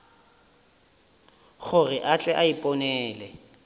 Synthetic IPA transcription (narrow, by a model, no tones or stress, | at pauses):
χʊrɪʔat͡ɬʼɛʔaipʼɔnɛːlɛ